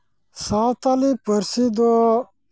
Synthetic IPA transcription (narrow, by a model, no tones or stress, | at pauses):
saːwt̪alipəɾsid̪o